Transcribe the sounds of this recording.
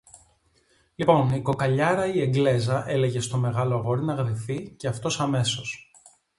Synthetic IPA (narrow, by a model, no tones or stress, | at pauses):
lipo̞niko̞kɐʎɐɾɐie̞ɡle̞zɐʔe̞le̞ʝe̞st̪o̞me̞ɣɐloɐɣoɾinɐɣɾiθiceɐft̪o̞sɐme̞so̞s